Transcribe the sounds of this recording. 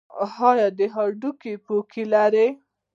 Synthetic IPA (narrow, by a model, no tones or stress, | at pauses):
hɑjɑd̪əɦaɖukepokʰilaɾe